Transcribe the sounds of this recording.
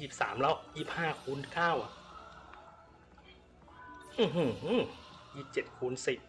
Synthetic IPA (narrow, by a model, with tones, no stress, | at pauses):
siː˨˩p̚sa̰ː˩˦mlɔ˦˧˥wsiː˨˩p̚haː˥˩kʰuː˧˥nkʰaː˥˩wʔa˨˩ | ʔɯː˧˩ɦu˧˩hsiː˨˩p̚t͡ɕe˨˩t̪̚kʰuː˧˥˨nsi˨˩p̚